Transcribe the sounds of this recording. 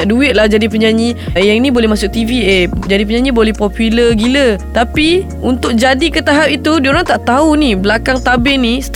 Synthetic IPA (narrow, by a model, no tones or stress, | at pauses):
aʔduɪt̪̚lahd͡ʒadipəɲaɲijaŋinĩbolɛɦmasʊkʔ̚t̪ivied͡ʒadipəɲãɲibolɛhpɔpuləɡilət̪api | unt̪ʊk̚d͡ʒadikət̪aɦapit̪udioɾaŋt̪aʔt̪aunibəlakaŋt̪abɪnis